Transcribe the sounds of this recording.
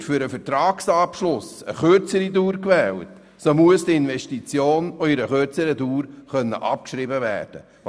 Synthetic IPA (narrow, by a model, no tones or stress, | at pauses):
tfyɾəfɛɾtɾɑːksɑpʃlʊsə̰χøɾt͡səɾiduːɾkvɛːlt | somuəsdiɪnvɛʃtit͡sjoːnoɪɾəχøɾt͡səɾəduːɾχœnːə̰ʔɑ̰p̚kʃɾibəvæ̰ːɾd̥ə̰